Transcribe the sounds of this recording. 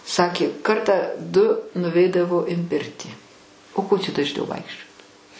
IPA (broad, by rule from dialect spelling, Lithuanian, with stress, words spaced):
ˈsɑːkʲeː ˈkɐrtɑː dʊ nʊˈʋʲɛɪdɐʋoː ɪn ˈpʲɪrʲtʲiː oː koː t͡ʃʲɛ dɐʒʲˈnʲɛʊ ˈʋɐɪkʃʲt͡ʃʲoːt